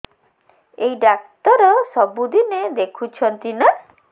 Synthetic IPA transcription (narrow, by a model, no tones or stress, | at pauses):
ejɖak̚t̪ɔɾɔsɔbud̪ined̪ekʰut͡ʃʰɔnt̪ina